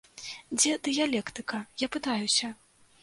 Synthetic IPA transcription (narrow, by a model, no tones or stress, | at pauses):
d͡zʲɛd̪ɨjalʲɛkt̪ɨkɐjapɨt̪ajusʲɐ